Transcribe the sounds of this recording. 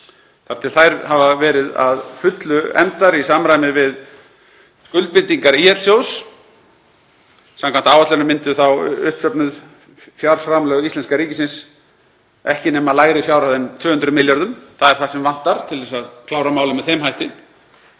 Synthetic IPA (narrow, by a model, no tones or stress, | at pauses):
θaɾ̥t̪ʰɪlθajɾhavavɛːɾɪða̰ðfʏt̪lʏɛ̰mt̪aɾisaːmɾajmɪvɪð | kʏlt̪̚pɪnt̪iŋkaɾiɛt̪l̥sjows | sãmkʰant̪aːwvat̪lɛnʏmɪnt̪ʏθawʏhpsœpnʏð | fjaɾ̥sfɾamlœːɣisɛnskaɾiːcɪsɪns | ɛhcɪnɛːmalaːjɾɪfjaːwɾaðɛnt̪ʰvʏːhʏnt̪ɾʏmɪljaɾðʏmθaðɛɾ̥θasɛmvan̥t̪aɾ̥t̪ʰɪlvɛsaðkʰlaːwɾamaːwlʏmɛðhɛmhɦajht̪ɪ